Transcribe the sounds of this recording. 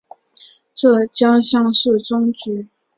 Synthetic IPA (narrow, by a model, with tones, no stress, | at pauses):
ʈ͡ʂɤ˥˩t͡ɕjɑ˥ŋɕjɑ˥˧ŋʂɻ̩˥˩ʈ͡ʂʊ˥ŋt͡ɕy˧˥˦